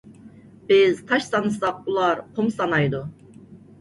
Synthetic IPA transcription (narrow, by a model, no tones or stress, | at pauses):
b̥ɪzt̪ʰɑʃsɑnɯsɑq̚ulˠɑɾqʰumsɑnɑjd̪u